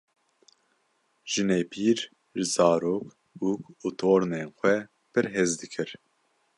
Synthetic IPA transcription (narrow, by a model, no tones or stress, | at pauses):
ʒ̥ɨneːpʰiːɾ | ʒɨzɑːɾoːk | ukut̪ʰoːɾneːnxʷɛ | pʰɨɾɦezd̪ɨkʰɨɾ